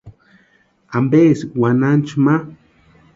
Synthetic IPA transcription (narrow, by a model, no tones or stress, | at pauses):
ambeswanant͡ʃma